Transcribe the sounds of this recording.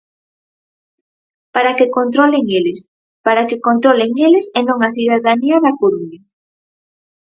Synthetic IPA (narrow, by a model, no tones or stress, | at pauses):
paɾakekont̪ɾɔleŋelɪs | paɾakekont̪ɾoleŋelɪsenõŋaθiðaðaniaðakoɾuɲa